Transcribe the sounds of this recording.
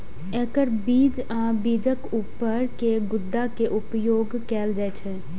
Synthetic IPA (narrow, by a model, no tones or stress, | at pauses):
ɛ̃ːkəɾbiːd͡ʒ | ãːbiːd͡ʒəkuːpəɾkeɡʊd̪ːakeʔʊpjoːɡkɛːld͡ʒɛːt͡ʃʰɛː